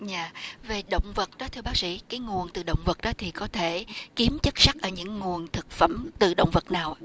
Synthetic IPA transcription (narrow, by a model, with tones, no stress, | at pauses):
ɲaː˧˨ve˨˩ɗə̰˧˨wŋ͡mvə˨˩t̚ɗɔ˨˦t̪ʰɨ˧əɓaː˦˥k̚sḭ˧˥kaː˨˦jŋu˨˩ənt̪ɨ˨˩ɗə̰˧˨wŋ͡mvə˨˩t̚ɗɔ˨˦t̪ʰi˨˩kɔ˨˦t̪ʰe˧˩ki˨˦əmt͡ɕə˦˥t̚sa˦˥k̚ʔəː˧˩ɲɨ̰˧˥ŋːu˨˩ənt̪ʰɨ˨˩k̚fə̰˧˩mt̪ɨ̰˨˧˩ɗə̰˧˨wŋ͡mvə˨˩t̚naː˨˩w